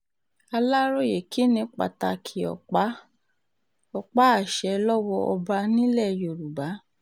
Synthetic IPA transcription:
a˧la˦ɾo˦˨je˨kʰi˨˦nĩ˧k͡pa̰˨ta˧kʰi˨ɔ̰˨k͡pa˨˦ | ɔ˧k͡pa˦a˦˨ʃɛ˧lɔ˦wɔ˧ʔɔ˧ba˧nĩ˦lɛ˦˨jo˨ɾu˨ba˨˦

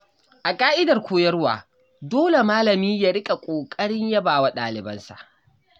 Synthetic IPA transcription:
ʔa˨kʼaː˦ʔɪ˦dɐ˨rkʷoː˦jɐ˦rwa̰ː˨ | doː˦le˨maː˦lɐ˨miː˦ja˦ɽɪ˦kʼa˨kʷʼoː˨kʼɐ˦ɽɪ˦ɲja˦baː˨wa˦ɗaː˨lɪ˨bɐ˦nsa̰˨ʔ

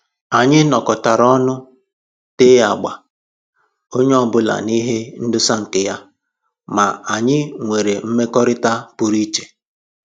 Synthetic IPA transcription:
a˨ɲɪ˦nɔ˨kɔ˨ta˨ɾɔ˦nʊ˦ | te˦a˨ɡ͡ba˨ | o˦ɲe˦ɔ˦bʊ˦la̰˨ni˦ɦe˦n̩˦dʊ˦sa˦ŋ̩˨kɪ˨ja˦ | ma˨a˨ɲɪ˦ŋʷe˨ɾe˨m̩˦me˦kɔ˦ɾɪ˦ta˦pʊ˦ɾi˦t͡ʃe̥˨

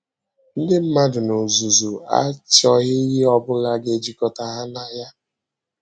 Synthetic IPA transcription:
n̩˦dɪ˦m̩˦ma˦dʊ˨no˨zu˨zu˨a̰˦t͡ʃɔ˨ɣɪ˦ɦɪ˦ɔ˦bʊ˦la˦ɡe˦d͡ʒi˦kɔ˨ta˨ɦa˦na˨ja˦

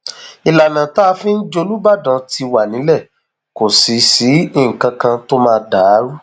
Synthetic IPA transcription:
i˨la˨nã˨ta˦˧fĩ˦n̩˦d͡ʒo˧lu˦ba˦˨dã˨˧ti˧wa˨nĩ˨˦lɛ˦˨ | ko˨si˨si˨˦i˦˨ŋ̩˨kã˧kã˧to˦mãː˧˦da˨˦ɾu˦

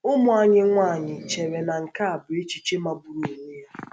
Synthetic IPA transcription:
ʊ˦mʊ˨a˨ɲɪ˦ŋʷa˦˨ɲɪ˨t͡ʃe˨ɾe˨na˨ŋ̩˨ka˦a˨bʊ˨e˦t͡ʃi˨t͡ʃe˦ma˨bu˦ɾu˨e˨ŋe˦ja˦

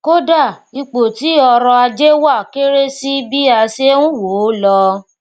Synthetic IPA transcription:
ko˦da˦˨i˧k͡po˨ti˨˦ɔ˧ɾɔ̃˧a˧d͡ʒe˦wa˦˨ke˦ɾe˦si˦bi˦a˧se˦wũ˦wo˨˦lɔ˧

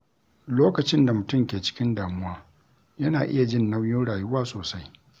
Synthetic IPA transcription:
loː˦kɐ˨t͡ʃɪ˦nda˨mʊ˨tʊ˦˨mkʲeː˨t͡ʃɪ̥˦kʲɪ˦ndaː˨mʊ˦waː˦ | jɐ˦naː˨ʔɪ˦ja˨d͡ʒɪ˦nːɐ˦wjʊ˦nɽaː˨jʊ˦waː˦soː˨sa˦j

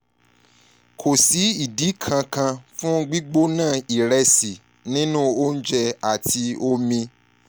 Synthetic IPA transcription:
kʰo˨si˨˦i˦˨di˨˦kʰã˧kã˧fũ˦ɡ͡bi˦ɡ͡bo˦nãː˦˨i˨ɾɛ˧si˨ | nĩ˦nũ˦o˦n̩˦d͡ʒɛ˧a˨ti˧o˧mĩ˧

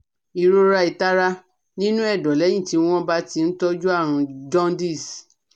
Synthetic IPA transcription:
i˨ɾo˧ɾa˧i˨ta˦ɾa˦ | nĩ˦nũ˦ɛ˦˨dɔ˨lɛ˨˦j̃ĩ˦˨ti˨˧w̃ɔ̃˦ba˦ti˧˦˧n̩˦tɔ˦d͡ʒu˦a˦˨ɾ̃ũ˧d͡ʒɔ̃˦n˦di˦˨s

